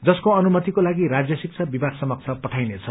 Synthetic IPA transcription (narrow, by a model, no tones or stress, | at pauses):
d͡zʌskoʌnumʌt̪ikolaɡiɾad͡zjʌsik̚t͡sʰʌbibaɡsʌmʌk̚t͡sʰapʌʈʰajnet͡sʰʌ